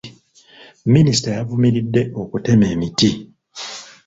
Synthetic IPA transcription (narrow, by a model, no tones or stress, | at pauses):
minisi̥tajavumiɾidːe̞ʔo̞kute̞me̞ːmiti